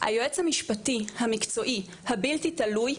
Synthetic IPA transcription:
ʔa̰joet͡shamiʃpat̪ihamikt͡so̞ʔi | habilt̪italuj

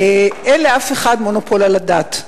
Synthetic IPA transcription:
eʔenleafeχadmonopʰolaladat

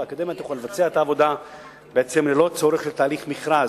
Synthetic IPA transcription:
akad̪emjat̪jχalevat͡seaet̪aːvo̞d̪a | beet͡semlelo̞t͡so̞ɾeχlet̪aːliχmiχɾa

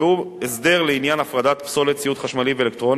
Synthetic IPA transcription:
uesd̪e̞ʁleinjanafʁad̪at̪pso̞lett͡sijut̪χaʃmalivelek̚t̪ʁo̞n

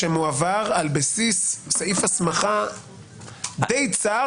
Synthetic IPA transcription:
emuavaʁalbesisːaifasmaχa | dejt͡sa

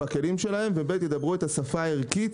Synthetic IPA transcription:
ake̞limʃe̞lahe̞mvebet̪jed̪abʁue̞t̪asafaːeʁkit̪

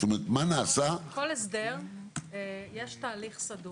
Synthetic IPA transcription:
t̪omeʁet̪manaːsako̞lesd̪eʁ | jeʃtaːliχsadu

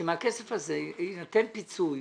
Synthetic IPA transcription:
emeakesefazeinat̪enpit͡suj

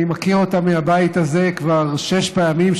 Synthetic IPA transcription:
makiʁot̪amːehabait̪aze̞kvaʁʃeʃpaamim

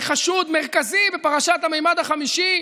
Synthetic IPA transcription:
χaʃud̪meʁkazibepaʁaʃat̪amejmad̪aχamiʃi

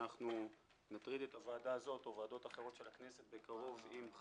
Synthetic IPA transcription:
aχnu | nat̪ʁid̪e̞t̪avaːdaːzo̞tovaːdo̞taχeʁo̞tʃe̞lakne̞se̞t̪̚be̞kaʁo̞vim

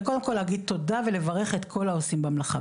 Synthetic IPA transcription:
kod̪e̞mkoleaɡid̪̚t̪ːo̞davele̞vaʁeχet̪kʰo̞laosimbamlaχa

